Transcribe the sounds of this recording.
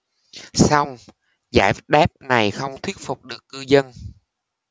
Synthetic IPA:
sa˧wŋ͡m | za̰ː˧˩jɗaː˦˥p̚na˨˩jxə˧wŋ͡mt̪ʰwi˦˥t̚fu˨˩k͡p̚ɗɨ˨˩əkːɨ˧zə˧n

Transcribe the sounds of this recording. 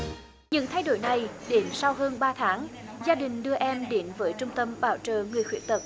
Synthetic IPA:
ɲɨ̰˧˥ŋt̪ʰa˧jɗo˧˩jna˨˩jɗe˨˦nsa˧wɦəː˧nɓaː˧t̪ʰaː˨˦ŋzaː˧ɗï˨˩ŋ̟ɗɨ˧əʔɛ˧mɗe˨˦nvəː˨˦jt͡ɕʊ˧ŋ͡mt̪ə˧mɓaː˧˩wt͡ɕəː˨˩ŋɨ˨˩əjxwḭ˧˥ət̪ə˨˩t̚

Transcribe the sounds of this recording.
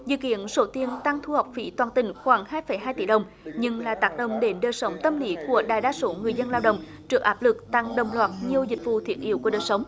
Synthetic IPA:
zɨ̰˧˨kḭ˧˨ənso˨˦t̪i˧ənt̪a˧ŋt̪ʰu˧ha˨˩wk͡p̚fḭ˧˦t̪waː˨˩nt̪ï˨˩ŋ̟xwaː˧˩ŋhaː˧jfə˨˩˦jɦaː˧jt̪ḭ˧˩ɗə˨˩wŋ͡m | ɲɨ˧ŋlaː˨˩t̪aː˨˦˥k̚ɗə˨˩wŋ͡mɗe˨˦nɗəː˨˩jsə˨˦wŋ͡mt̪ə˧mli˨˦ku˧˩əɗaː˧˨˩jɗaː˧so˨˦ŋɨ˨˩əjzə˧nlaː˧wɗə̰˧˨wŋ͡m | t͡ɕɨ˨˩ək̚ʔaː˦˥p̚lɨ˨˩k̚t̪a˧ŋɗə˨˩wŋ͡mlwaː˨˩t̚ɲi˨˩əwzï˨˩k̟̚vṵ˧˨t̪ʰi˧˩əʔḭ˧˥wku˧˩əɗəː˨˩jsə˨˦ŋ͡m

